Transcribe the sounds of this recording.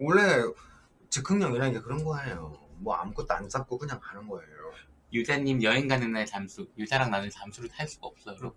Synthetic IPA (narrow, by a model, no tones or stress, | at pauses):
woɭːe | t͡ɕɯkʰɯŋɲʌŋiɾʌnɡe̞kɯɾʌnɡʌaejomwʌa̰mk͈ʰot͈a̰nt͡ɕ͈ap̚k͈okɯɲaŋanɯnɡʌejo | jud͡ʑaɲːimjʌinɡanɯnat͡ɕamsʰujud͡ʑaɾaŋnanɯnt͡ɕamsʰuɾɯtʰaɭs͈uɡ̥aʌp̚s͈ʌɾo